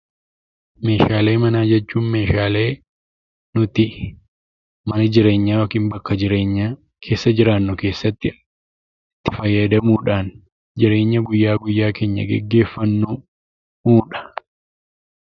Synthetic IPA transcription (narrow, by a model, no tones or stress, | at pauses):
me̞ːʃaːle̞ːmɐnaːd͡ʒɛt͡ʃːuːnmeːʃaːle̞ː | nʊt̪ɪ | mɐnɐd͡ʒɪɾe̞ːɲːaːokiːnbɐkːɐd͡ʒɪɾeːɲːa | kʰe̞ːsːɐd͡ʒɪɾaːnːʊke̞ːsːɐt̪ːɪ | ɪt̪ːɪ̥fɐjːɐd̪ɐmuːᶑaːn | d͡ʒɪɾe̞ːɲːɐɡʊjːaːɡʊjːaːke̞ːɲːɐ̰ɡɛ̰ɡːe̞ːfːɐnːu | muːᶑɐ̥